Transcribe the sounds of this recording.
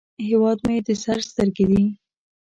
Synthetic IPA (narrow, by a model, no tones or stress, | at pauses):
ɦewɑd̪majed̪əsaɾst̪əɾɡed̪i